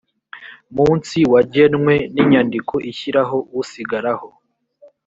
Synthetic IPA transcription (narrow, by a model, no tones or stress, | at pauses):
muːnsiwaɟe̞nŋwe̞niɲandiko̞ʔiçiɾaɦo̞wusiɡaɾaho